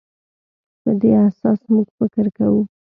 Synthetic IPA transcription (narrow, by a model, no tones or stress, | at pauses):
pəd̪easɑsmuɡfɪkɾkawu